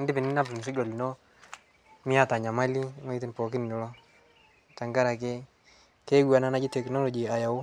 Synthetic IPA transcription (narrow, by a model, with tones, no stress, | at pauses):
ndɪ˦bɪ˨nɪ˦na˦bn˨s̬ɪ˦ɡo˨li˨no˦ | mɪ˦a˦ta˨ɲa˨ma˦li˦ŋo˦i˦t̬ɪ˦npɔ˨kɪ˦n˨ɔ˦lɔ˦ | ta˨ŋɡa˦ɾa˨ke˦ | ke˦ɡwa˨na˦na˦d͡ʒi˦tɛ˨knɔ˦lɔ˨d͡ʒi˨a˨ja˨wʊ˦